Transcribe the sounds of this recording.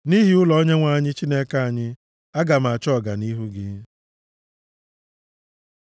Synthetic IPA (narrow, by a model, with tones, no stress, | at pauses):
ni˦ɦi˨ʊ˦lɔ˨o˦ɲe˦ŋʷa˨a˦˨ɲɪ˦t͡ʃi˦ne˦ka˦a˨ɲɪ˦ | a˦ɡa˨m˨a˨t͡ʃɔ˦˨ɡa̰˨ni˦ɦu˦ɡɪ˦